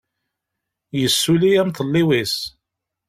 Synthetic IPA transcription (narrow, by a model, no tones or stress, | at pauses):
jəsːulijæmt̪əlːiwis